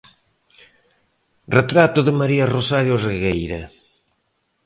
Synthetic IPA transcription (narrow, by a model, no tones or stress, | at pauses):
ret̪ɾat̪ʊðɪmaɾiɐrosaɾjozeɣejɾɐ̰